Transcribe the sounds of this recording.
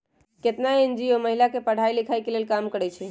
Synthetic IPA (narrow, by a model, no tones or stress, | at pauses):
ket̪naend͡ʒioməɦilakepəɽ̤ajlikʰajkelelkamkəɾɛt͡ʃʰɛ